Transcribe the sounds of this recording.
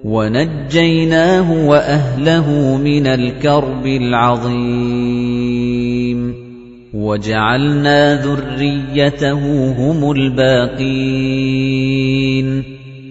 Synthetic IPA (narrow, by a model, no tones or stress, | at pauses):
wanad͡ʒːajnaːɦʊwaʔaɦlaɦʊmɪnalkɑɾˤbɪlʕɑðˤiː | m | wad͡ʒaʕalnaːðʊrːɪjːat̪aɦʊɦʊmʊlbaːqiː | n